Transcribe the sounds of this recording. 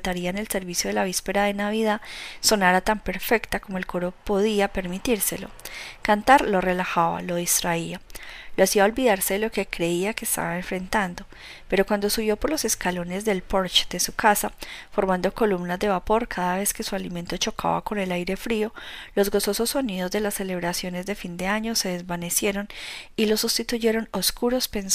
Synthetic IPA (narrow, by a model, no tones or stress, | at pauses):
t̪aɾiaene̞lse̞ɾβisjoðe̞laβ̞ispe̞ɾaðe̞naβiðaso̞naɾat̪ampe̞ɾfe̞kt̪ako̞moe̞lko̞ɾo̞po̞ðiape̞ɾmit̪iɾse̞lo̞̰kant̪aɾlo̞re̞laxaβa̰lo̞ð̞ist̪ɾaialoasiao̞lbiðaɾse̞ðelo̞ke̞kɾe̞iake̞ːst̪a̰βaeɱfɾe̞nt̪and̪o̞ | pe̞ɾo̞kwand̪o̞suβjo̞po̞ɾlo̞se̞skalo̞ne̞zd̪e̞lpo̞ɾt͡ʃd̪̥e̞sukasafo̞ɾmãnd̪o̞ko̞lumnazd̪e̞βapo̞ɾkʰaðaβe̞ske̞sualime̞nt̪o̞t͡ʃo̞kʰa̰βa̰ko̞ne̞lajɾe̞fɾio̞lo̞zɡo̞so̞so̞sːo̞niðo̞zd̪e̞lasːe̞le̞β̞ɾasjo̞ne̞zd̪e̞find̪e̞aɲo̞se̞ðe̞zβane̞sjeɾo̞nilo̞sust̪it̪uʝe̞ɾo̞no̞skuɾo̞spen